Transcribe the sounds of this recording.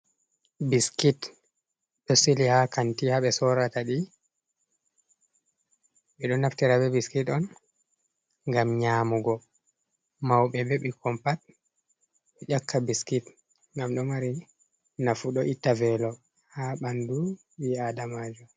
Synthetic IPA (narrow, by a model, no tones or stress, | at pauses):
biskit | ɗɔsilihakantihaɓɛsɔɾataɗi | ɓɛɗɔnaftiɾabɛbiskitɔn | ŋɡamɲaːmuɡɔ | mawɓɛbeɓikʰɔmpat̚ | ɓɛd͡ʒakʰːabiskit | ŋɡamɗɔmaɾi | nafuɗɔʔitːavɛlɔ | haɓandu | wiadamad͡ʒɔ